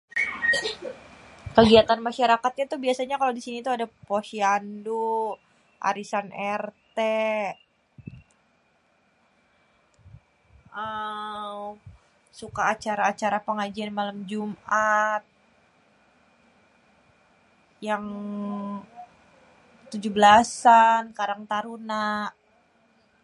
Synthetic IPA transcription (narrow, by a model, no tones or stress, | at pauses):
kəɡiat̪anmaʃaɾakat̪̚ɲat̪uhbiasaɲakalawdisinit̪uadapoʃiando | ʔa̰ɾisanʔɛrt̪e | ʔa | sukaːt͡ʃaɾaːt͡ʃaɾapəŋad͡ʒianmalamd͡ʒumʔat̪̚ | jaŋ | t̪ud͡ʒubəlasankaɾaŋt̪aɾuna